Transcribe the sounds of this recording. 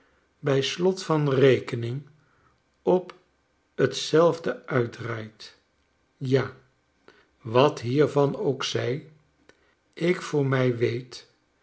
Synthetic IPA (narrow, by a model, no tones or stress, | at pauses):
bɛjslɔtfɑnrejkənɪŋ | ɔp | ətsɛlˠvdəœɥdraːjt | jaː | ʋɑtɦiːɹvɑnowksɛj | ɪkfʊːɹmɛjʋejt